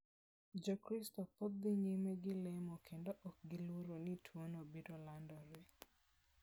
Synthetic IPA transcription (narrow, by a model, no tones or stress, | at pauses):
d͡ʒɔkɾistɔpot̪̚d̪ɪɲimeɡɪlɛmɔkʰendoʔɔk̚ɡɪluɾonitʰwonobidolandɔɾe